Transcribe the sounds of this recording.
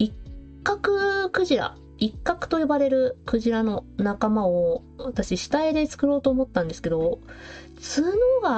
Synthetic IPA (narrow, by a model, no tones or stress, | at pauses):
ikkːakɯ̟kɯ̟ʑiɾa̰ | ikːakɯ̟̥t̪o̞jobaɾe̞ɾɯ̟kɯ̟ʑiɾano̞nakamao | βat̪aɕiɕi̥t̪aid̪e̞t͡sɨ̥kɯ̟ɾo̞ːt̪o̞ːmo̞t̪ːãnd̪e̞sɨ̥ke̞d̪o̞ | t͡sɨːno̞ːɡa